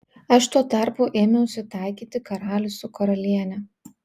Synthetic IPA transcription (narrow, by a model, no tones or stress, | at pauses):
ɐʃt̪uɔt̪ɑˑɾpʊːʔeːmʲɪʊʃsʲɪt̪ɑˑɪkʲiːt̪ʲɪkɐɾɑːlʲʊsʲʊkɐɾɐlʲiɛnʲɛ